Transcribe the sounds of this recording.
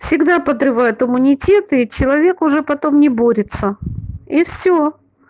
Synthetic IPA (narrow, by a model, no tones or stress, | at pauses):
fsʲɪɡd̪apəd̪ɾɨvajʊt̪ɨmʊnʲɪtʲe̞t̪ɨit͡ɕɪlˠɐvʲe̞kʊʐɛpɐt̪o̞mnʲɪbo̞ɾʲɪt̪səifsʲo